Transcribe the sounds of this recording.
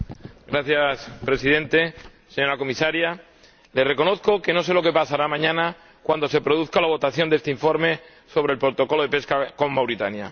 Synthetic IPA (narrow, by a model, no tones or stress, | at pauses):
ɡɾaθjaspɾe̞siðẽ̞nt̪e̞ | seɲo̞ɾako̞misaɾja | le̞sre̞ko̞no̞θko̞ke̞no̞se̞lo̞ke̞pasaɾamãɲãna | kwand̪o̞se̞pɾo̞ð̞uθkalaβ̞o̞t̪aθjo̞nd̪est̪eiɱfo̞ɾme̞ | so̞β̞ɾe̞lpɾot̪o̞ko̞lo̞ðe̞pe̞skako̞mmawɾit̪anja̰